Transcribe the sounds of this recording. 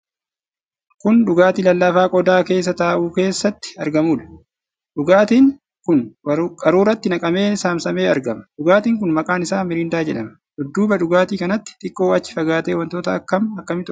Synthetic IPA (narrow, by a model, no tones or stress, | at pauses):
kʊnᶑʊɡaːt̪ilɐlːɐfaːkʼɔd̪aːke̞ːs̬ːɐt̪aːʔuːke̞ːsːɐt̪ːɪ̥ɐɾɡɐmuːᶑɐ̥ | ᶑʊɡaːt̪iːŋ | kʊnkʼɐɾuːɾɐt̪ːɪnɐkʼɐme̞ːsaːmsɐme̞ːɐɾɡɐmɐ̥ᶑʊɡaːt̪iːŋk̬ʊnmɐkʼaːnɪsaːmɪɾɪːnd̪aːd͡ʒɛᶑɐmɐ̥ | ʔʊd̪ːuːbɐᶑʊɡaːt̪iːkɐnɐt̪ːɪ̥t̪ʼɪkʼːo̞ːɐt͡ʃːɪ̥fɐɡaːt̪eːwɐnt̪o̞ːt̪ɐːkːɐmɐkːɐmɪt̪ʊ